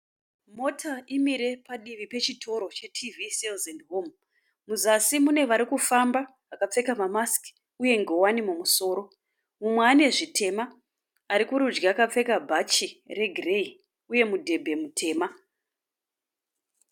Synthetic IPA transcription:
mo̞tʰaʔimiɾe̞paɗiʋipe̞t͡ʃitʰo̞ɾo̞t͡ʃe̞tʰiviselzendɦom | muzasimune̞ʋaɾikufamba | akap͡fe̞kamamaski̥ | uje̞ŋɡe̞wanimumuso̞ːɾo̞ | mumweaːne̞ʐitʰe̞ma | aɾikuɾud͡ʒɡaakap͡fe̞kabʱat͡ʃire̞ɡʱirei | uje̞mudʱe̞bʱe̞mutʰe̞ːma

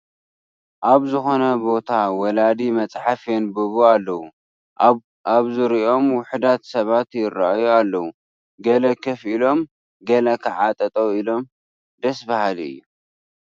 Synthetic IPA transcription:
ʔaβzɨxo̞nɐbo̞t̪ʰawɐlad̪imɐt͡sʼħafenbɨβualːɐwu | aβzɨɾio̞mwʊħd̪at̪sɐβat̪jɪrːa̰ajualːɐwu | ɡɐlɐkʰɐfilo̞m | ɡɐlɐkʰɨʕat̪ʼɐt̪ʼoilo̞m | d̪ɐsbahaliɨ̰jːu

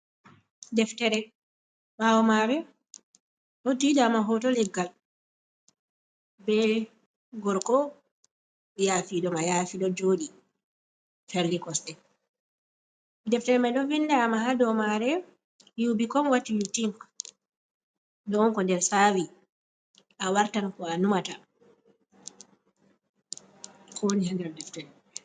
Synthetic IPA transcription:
dɛftɛɾɛ | mawɔmaɾɛ | ʔɔtidaːmaɦɔtɔlɛɡal | bɛ | ɡɔɾkɔ | jafiɗɔmajafiɗɔd͡ʒoːɗi | fɛɾlikɔstɛ | dɛftɛlmaɗɔvindaːmahadɔmaɾɛ | jubikɔmwatːijutimk | dɔːŋkɔndɛɾsawi | ʔawaɾtankɔanumata | kʰɔwonihandɛɾdɛftɛlm

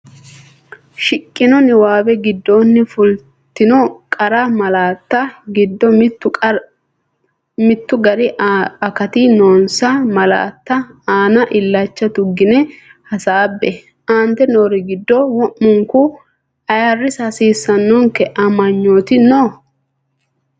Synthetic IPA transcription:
ʃɪkʼːɪnɔnɪwaːbɛɡɪd̪ːo̞ːnːɪfʊl | t̪ːɪnɔkʼɐɾamɐlaːt̪ːɐɡɪd̪ːɔmː | mɪt̪ːʊɡɐɾɪɐkɐt̪ɪnoːnsamɐla̰ːt̪ːɐaːnɐʔɪlːat͡ʃːɐt̪ʊɡːɪnɛ | hɐsaːbːɛ | ʔaːnt̪ɛnoːɾɪɡɪd̪ːɔwɔʔːʊŋkʊ | ɐjɐrːɪsɐsiːsːɐnːɔŋkɛʔɐmɐɲːoːt̪ɪno

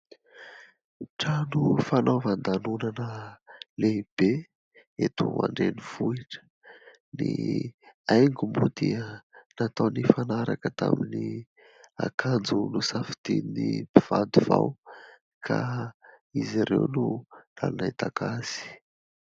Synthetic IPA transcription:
ʈ͡ʂanufanovand̪anunanəleib̥e | et̪uma̰ɳɖ͡ʐeniv̥uiʈ͡ʂə̥ | ni | ajŋɡumud̪iənat̪awnifanaɾakət̪amini | a̰kʰand͡zunusafi̥t̪iinibiv̥and̪uvaw | kʰa | iziɾewnula̰lnait̪akazi̥

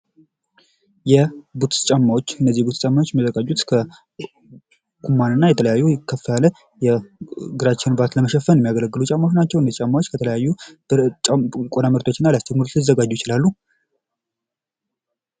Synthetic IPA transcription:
jɛbut̪t͡ʃʼamːawot͡ʃːɨnːəzːihbut̪st͡ʃʼamːawot͡ʃːjɛməzəɡad͡ʒut̪kʰə | kʰumːanɨnːajɛt̪ʰələjajːukʰːəfjalə | jɛɡɨɾat͡ʃːɪnbat̪ləməʃɛfːənjɛmːiaɡələɡːɨlut͡ʃʼamːawonat͡ʃːɛwɨnːəzt͡ʃʼamːawot͡ʃːkʰət̪ʰələjajːubɾt͡ʃʼakʼonaməɾt̪ʰo̞t͡ʃːɪnːalast̪emɨɾzəɡad͡ʒːujɪt͡ʃɪlalːu

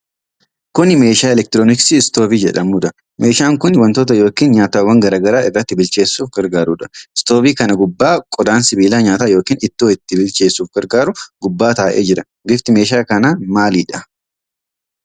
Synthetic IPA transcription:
kʊnmeːʃaːɛlɛk̚t̪ɪɾoːnɪksɪɪst̪oːbiːd͡ʒɛᶑɐmuːd̪ɐ | me̞ːʃaːŋkʊnwɐnt̪oːt̪̬ɐjo̞ːkiːnɲaːt̪awɐŋɡɐɾaːɡɐɾaːɪrːɐt̪ːɪbɪlt͡ʃe̞ːsːuːfɡɐɾɡaːɾuːᶑɐɪst̪o̞ːbiːkɐnɐɡʊbːaːkʼɔd̪aːnsɪbiːlaːɲaːt̪aːjo̞ːkiːnɪt̪ːoːɪt̪ːɪbɪlt͡ʃe̞ːsːuːfɡɐɾɡaːɾʊɡʊbːaːt̪aːʔḛːd͡ʒɪɾɐ | ɡɪft̪ɪme̞ːʃaːkɐnaːmaːliːᶑɐ

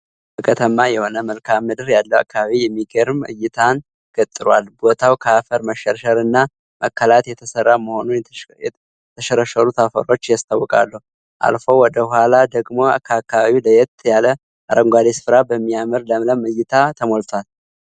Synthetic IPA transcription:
bəkʰət̪ʰəmːajɛho̞nəməlkʰamːɨd̪ɨɾjalːəwa̰kʰːaβaβijɛmːiɡeɾmːɨ̰jɪt̪ʰan | ɡʰət̪ʼːɨɾwalbo̞t̪ʰawkʰəafəɾməʃəɾʃəɾɨnːa | məkʰːəlat̪jɛt̪ʰəsərːaməho̞nunjɛ | t̪ʰəʃəɾəʃəɾut̪ʰafə̰ɾo̞t͡ʃːjast̪ʰʼawːɔkʼa̰lːəh | ʔa̰lfo̞wɔd̪əhhalad̪əɡmo̞akʰaakʰːaβaβiləjɛt̪jalə | ʔaɾəŋɡʷad̪esɨ̥fɾabəmːijamɨɾləmləmɨjːɪt̪ʰat̪ʰəmolt̪ʰwal

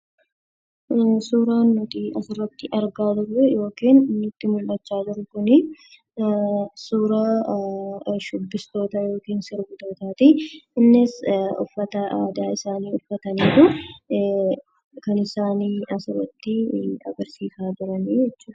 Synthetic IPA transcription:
suːɾaːnːɔt̪iːɐsɪrːɐt̪ːɪʔɐɾɡaːd̪ʊrːɛjo̞ːkiːnnːʊt̪ːɪmʊlːɐt͡ʃːaːd͡ʒɪɾʊkʊnɪ | suːɾɐ | ʃʊbːɪst̪o̞ːt̪ɐjo̞ːkiːnsɪɾɡʊt̪oːt̪aːt̪iɪnːɪsʊ̰fːɐt̪ɐaːd̪aːɪsaːniːʊfːɐt̪ɐniːt̪ʊ | kɐnɪsaːniːɐsʊrːɐt̪ːɪɐ̰ɡɐɾsiːsaːd͡ʒɪɾɐniːd͡ʒɛt͡ʃːuːd̪ɐ

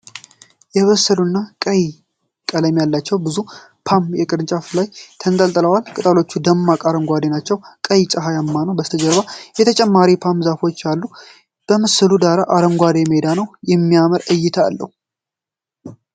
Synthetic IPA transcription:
jɛβəsːəlunːakʼəj | kʼələmjalːat͡ʃːɛwbɨzu | pʰamjɛkʼɨɾɨnt͡ʃʼaflajt̪ʰənt̪ʼəlt̪ʼələwalkʼɨt̪ʼalo̞t͡ʃːud̪əmːakʼaɾəŋɡʷad̪enat͡ʃːɛwkʼəjt͡ʃʼaɦajamːanəwbəst̪ʰəd͡ʒəɾβajɛt̪ʰət͡ʃʼɛmːaɾipʰamzafo̞t͡ʃːjalːu | b̥əmɨsɨlud̪aɾaʔaɾəŋɡʷad̪emed̪anəwjɛmːijaməɾɨjːɪt̪ʰa̰ːlːəhu

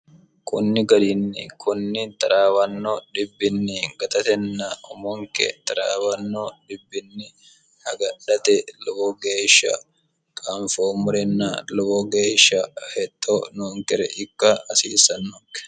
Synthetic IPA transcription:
kʰʊnːɪɡɐɾɪnːɪ̰kʰʊnːɪt̪ʼɐɾaːwɐnːoᶑɪbːɪnːɪɡɐt̪ɐt̪ɛnːɐʊmɔŋkɛ̰t̪ɐɾaːwɐnːodɪbːɪnːɪ | hɐɡɐɗɐt̪ɛlɔbɔɡeːʃːɐ̰ | kʼɐɱfoːmʊɾɛnːɐlɔbɔɡeːʃɐhɛt̪ʼːoːnoːŋkɛɾɛ̰ʔɪkːɐɐsḭːsɐnːɔkːɛ̥

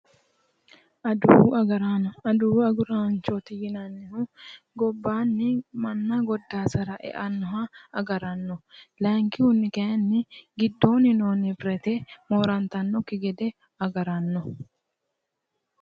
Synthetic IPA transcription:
ʔɐd̪uːɐɡɐɾanɔɐd̪uːɐɡʊɾant͡ʃot̪ɪjɪnɐnːɪhʊ | ɡɔbːaːnːɪmɐnːɐɡɔd̪ːaːsɐɾɐʔɛ̰ʔɐnːɔɦɐɐɡɐɾɐnːɔlaŋkɪhʊnːɪkɛɐnːɪɡɪd̪ːo̞ːnːɪnoːnːɪpɾɛt̪ɛmoːɾɐnt̪ɐnːɔkːɪɡɛd̪ɛ | ɐɡɐɾɐnːɔ

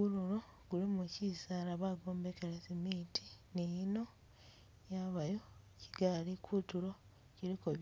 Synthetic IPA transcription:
ululo̞ | ɡ̥ulimucisalaβaɡo̞ːmbekalesimiːti̥nino̞ | jaβajoci̥ɡalikʰutulo̞ | ciɾikoβj

